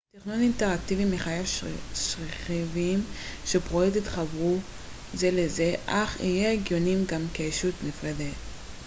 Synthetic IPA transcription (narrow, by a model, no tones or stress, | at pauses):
tiχnuninte̞ʁak̚t̪ivimeχajavʃʁeχivimʃepʁojet̪it̪χabʁu | ze̞leze̞ʔaχḭjeeɡjo̞nimɡamkeeʃut̪nifʁede